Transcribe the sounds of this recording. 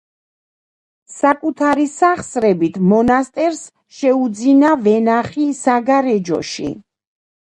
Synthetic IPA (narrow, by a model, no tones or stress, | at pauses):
sakʼut̪ʰaɾisaχsɾɛbit̪ʰmɔnast̪ʼɛɾs | ʃɛud̪zinavɛnaχisaɡaɾɛd͡ʒɔ̰ʃḭ